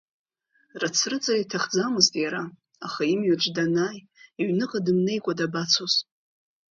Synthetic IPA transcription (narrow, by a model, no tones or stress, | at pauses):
rat͡sʰrɨt͡sʼaitʰaχd͡zamɨztʼjaɾa | aχaimɥɪrʈ͡ʂdanaːj | iɥnɨqʼadɨmne̞jkʷʼadabat͡sʰoz